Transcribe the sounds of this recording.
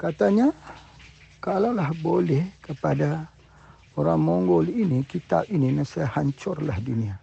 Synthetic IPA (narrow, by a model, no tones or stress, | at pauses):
kat̪aɲa | kalalahbolɛhkəpada | oɾaŋmɔŋɡɔlinikit̪a̰p̚ininasaahaɲt͡ʃɔrlahdunia